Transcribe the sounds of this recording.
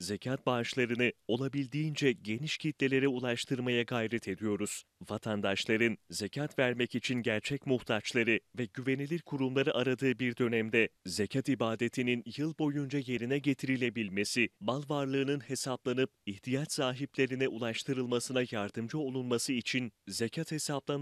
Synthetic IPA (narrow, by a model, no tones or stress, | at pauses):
ze̞cʰat̪̚baʃlˠaɾɯnɯo̞lˠabilʲd̪iːnd͡ʒɛɟe̞niʃcʰit̪lʲe̞lʲe̞ɾiulˠaʃt̪ʰɯɾmajaɡajɾɛt̪ʰe̞d̪ijo̞ɾuz̥ | vat̪ʰand̪aʃlˠaɾɯnze̞cʰat̪væɾmɛcit͡ʃʰinɟæɾt͡ʃʰɛcmuht̪ʰat͡ʃlˠaɾɯvɛɟyve̞nilʲiɾkʰuɾumlˠaɾɯʔaɾad̪ɯːbiɾd̪ø̞nɛmd̪ɛze̞cʰat̪ibaːd̪e̞t̪ʰininjɯlˠbo̞jund͡ʒaje̞ɾinɛɟe̞t̪ʰiɾilʲe̞bilʲme̞simalˠvaɾlˠɯːnɯnhe̞sablˠanɯp̚iht̪ʰijat͡ʃsaːɦiplʲe̞ɾinɛʔulˠaʃt̪ʰɯɾɯlˠmasɯnajaɾd̪ɯmd͡ʒɯo̞lˠunmasɯit͡ʃʰinzecʰat̪he̞sablˠa